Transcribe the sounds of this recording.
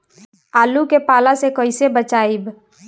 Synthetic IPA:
aːlukepaːlasekəɪsebət͡ʃaːib

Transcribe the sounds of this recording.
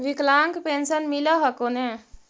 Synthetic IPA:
ʋiklaŋkpensənmiləɦəkone

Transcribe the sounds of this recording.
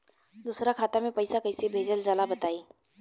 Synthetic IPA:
d̪uːsɾakʰaːt̪amẽpɐɪsakɐɪsebʱeːd͡ʒəld͡ʒaːlabət̪aːiː

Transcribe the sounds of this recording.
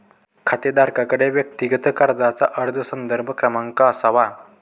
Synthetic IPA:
kʰat̪ed̪ʱaɾkakəɽeʋjək̚t̪iɡət̪əkaɾd͡zat͡saʔəɾd͡zʱəsənd̪əɾbʱəkɾəmãŋkasaʋa

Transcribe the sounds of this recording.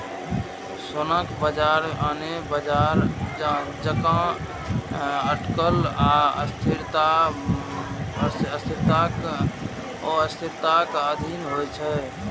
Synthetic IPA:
sonəkbəd͡ʒaɾanebəd͡ʒaɾ | d͡ʒəkã | əʈkəlaə̰st̪ʰiɾt̪a | əst̪ʰiɾt̪ak | ɔəst̪ʰiɾt̪akəd̪ʱinɦojt͡ʃʰɛ

